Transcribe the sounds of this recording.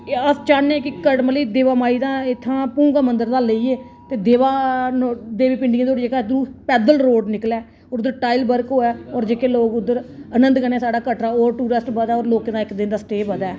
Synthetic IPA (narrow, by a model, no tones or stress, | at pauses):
əst͡ʃaːnːẽːkɪkəʈməliːd̪eːʋaːmaːiːd̪ãːɪt̪ʰːãːpũːɡaːmənd̪əɾd̪aːleiːeː | t̪eːd̪eːʋaːod̪eːʋiːpɪ̃ɳɖɪẽːd̪oːɽekaːd̪ɾuːpɛːd̪əlɾoːɖnɪklɛː | ɔːɾʊd̪ːəɾʈaːɪlbəɾkɦoːɛːɔːɾd͡ʒeːkeːloːkʊd̪ːəɾənə̃nd̪kəneːsaːɖaːkəʈɾaːoːɾʈuːɾəsʈbəd̪aːɔːɾloːkẽːd̪ãːɪkd̪ɪnd̪aːsʈeːbəd̪ɛː